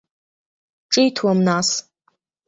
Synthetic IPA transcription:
ʈ͡ʂʼijtʰwamnas

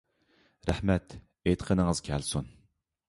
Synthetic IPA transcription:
ɾæħmɛt̪ | ejt̪qʰənəŋəz̥kʲʰɛlsun

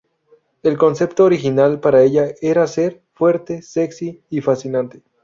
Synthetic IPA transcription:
e̞lko̞nse̞pt̪oːɾixinalpaɾae̞ʝae̞ɾase̞ɾ | fwe̞ɾt̪e̞se̞ksiːfasinãnt̪e̥

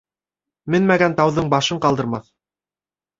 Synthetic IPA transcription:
mɘnmæɡænt̪ɑwðɤɴbɑʃɤɴqɑlˠd̪ɤ̆ɾmɑθ

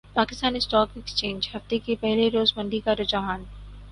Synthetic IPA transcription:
paːkɪst̪aːnisʈɔːkɪkst͡ʃẽːɲd͡ʒhɐft̪ekepɛɦleɾoːzmɐ̃ɳɖikaɾʊd͡ʒaɦaːn

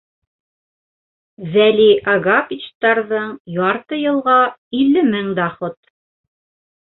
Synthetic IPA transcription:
zæliʔɑɡapʲit͡ɕt̪ɑɾðɤɴjɑɾt̪ɤjɤ̆lˠʁɑilːɘmɘŋd̪ɑχot̪̚

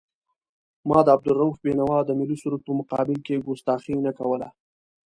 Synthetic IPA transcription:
mɑd̪əab̚d̪ʊlɾːaufbenawɑd̪əmɪlisuɾupəmʊqɑbɪlkeɡust̪ɑxinakawəla̰

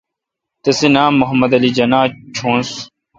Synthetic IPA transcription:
t̪ɐsenaːmːʊɦɐmɐd̪ɐlid͡ʑɐnãːt͡ɕʰõːns

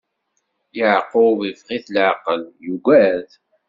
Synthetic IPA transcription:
jəʕqːʊvəvʁiθlʕqəljuɡʷæð

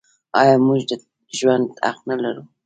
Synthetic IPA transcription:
ɑjɑmʊʒd̪a | ʊʒwand̪a̰qnalaɾu

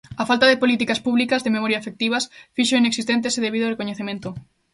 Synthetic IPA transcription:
afalt̪aðepolit̪ikaspuβlikazðememɔɾjaefek̚t̪iβasfiʃoineksist̪ent̪̬eseðeβiðorekoɲeθemẽnt̪o

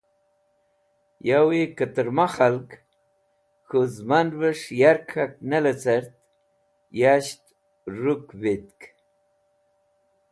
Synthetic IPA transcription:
jawekət̪əɾmaxalk | xuzmanvəʂjaɾkʰak̚nalat͡saɾt̪̚ | jaɕt̪ | ɾukvit̪k

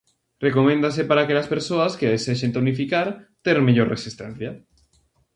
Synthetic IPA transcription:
rekomẽnd̪asepaɾakelɐspeɾsoɐskeðeseʃ̬ent̪onifikaɾt̪eɾmeʎoɾresist̪ɛn̟θjɐ

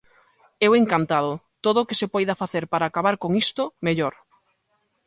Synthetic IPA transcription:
ɛweŋkant̪aðot̪oð̞oːkɪsepɔjðafaθeɾpaɾaːkaβaɾkoŋist̪omeʎoɾ

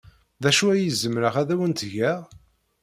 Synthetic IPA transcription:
ðæʃuæjəzəmɾəʁæðæwənt̪ʝæ

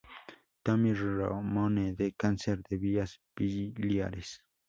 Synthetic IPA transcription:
t̪amiɾoɾa̰moned̪ekanseɾd̪eβiasb̥ilja̰ɾes

